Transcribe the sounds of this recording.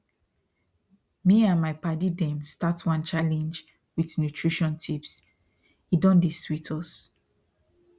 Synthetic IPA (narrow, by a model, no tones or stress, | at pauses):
miãnmaɪpadidɛ̃mstatwãnt͡ʃalɛ̃nd͡ʒ | wiθnjutʰɹiʃɔ̃ntʰips | idɔ̃ndiswitʰɔs